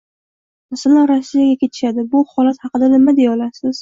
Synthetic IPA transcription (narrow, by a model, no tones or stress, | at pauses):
masalanɾasːijaɡʲakʲe̞t̪ʰɪ̥ʃad̪ɪbʊhɒlat̪hɑqɨd̪anɪmad̪eɒlasɪz̥